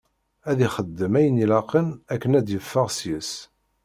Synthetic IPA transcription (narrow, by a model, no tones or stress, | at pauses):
æðiχəd̪ːəmæjənilɑqənækːənæd̪jəfːəʁsjəs